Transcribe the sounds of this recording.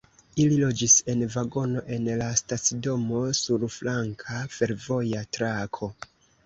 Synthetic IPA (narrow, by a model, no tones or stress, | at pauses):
ililo̞d͡ʒise̞nvaɡo̞no̞ʔe̞nlastat͡sido̞mo̞suɾflaŋkʰafe̞ɾvo̞jatɾakʰo̞